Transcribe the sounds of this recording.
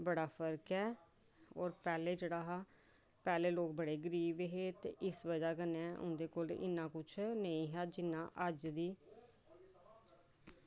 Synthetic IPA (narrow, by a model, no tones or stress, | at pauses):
bəɽaːpʰəɾkɦɛː | oːɾpɛːleːd͡ʒəɽaːɦaː | pɛːleːloːk̚bəɽeːɡəɾiːʋɦeːt̪eːʔɪsʋəd͡ʒaːkənɛ̃ːʔʊ̰̃nd̪eːkoːlɪ̰nːãːkʊt͡ʃʰnəĩːɦɛːd͡ʒɪnːãːʔəd͡ʒd̪iː